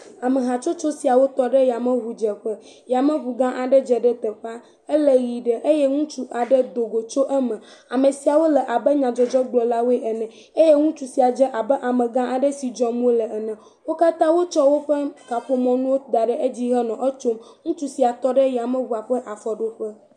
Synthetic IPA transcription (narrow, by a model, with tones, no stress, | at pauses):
a˨mə˨ɦa˨t͡ʃo˦t͡ʃo˦si˨a˨wo˦t̪ɔ˦ɖɛ˦ja˨mə̃˦ɦu˨d͡ʒə˨ɸə˦ | ja˨mə̃˦ɦu˨ɡã˦ʔa˨ɖə˦d͡ʒɛ˨ɖə˦t̪ə˨ɸa˦ | ə˦lə˦ɣi˨ɖɛ˦ʔe˦jɛ˦ŋũ˦t͡ʃu˦ʔa˨ɖə˦d̪o˨ɡo˨t͡ʃo˦ʔɛ˦mɛ̃˨a˨mə̃˨si˨a˨wo˦lɛ˨ʔa˨bə˦ɲã˨d͡ʒɔ˦d͡ʒɔ˦ɡ͡blɔ˨la˦wo˦e˦ʔɛ˨nɛ̃˨ | e˦jɛ˦ŋũ˦t͡ʃu˨si˨a˨d͡ʒɛ˦ʔa˨bɛ˦ʔa˨mə̃˨ɡã˦ʔa˨ɖə˦si˨d͡ʒɔ˦mũ˦o˦lə˨ɛ˨nɛ̃˨ | wo˦ka˦t̪ã˦wo˦t͡ʃɔ˦wo˦ɸə˦ka˨ɸo˦mɔ̃˨nũ˦wo˦d̪a˨ɖə˦ʔe˦d͡ʑi˦ɦɛ˦nɔ̃˨ʔə˦t͡ʃo˦mŋũ˦t͡ʃu˦si˨a˨t̪ɔ˦ɖə˦jɛ˨a˨mə̃˦βu˨a˨ɸə˦ʔa˨fɔ˨ɖo˦ɸə˦